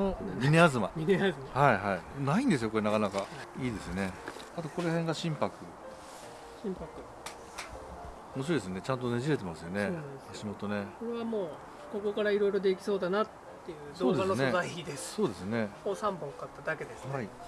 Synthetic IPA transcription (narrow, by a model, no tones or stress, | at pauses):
omʲine̞azɨma̰mʲineazɨmahaiɦainaĩnd̪es̬ɨjoko̞ɾe̞nakanakaiːd̪e̞sɨne̞ | at̪oko̞ɾehẽ̞ŋɡaɕĩmpakɯ̟ | ɕĩmpakɯ̟ | omoɕ̬iɾod̪esonet͡ɕãnt̪̬oneʑiɾe̞t̪̬e̞masɨjo̞ne̞oaɕimo̞t̪o̞ne̞ko̞ɾe̞βamo̞ː | ko̞ko̞kaɾaiɾo̞iɾo̞d̪e̞kʲi̥so̞ːd̪anat̪ːe̞jɯ̟zod̪ːanoned̪aiçid̪esɨ̥so̞ːd̪e̞sɨne̞moːsãmbõ̞ŋkat̪ːad̪ake̞d̪esɨhai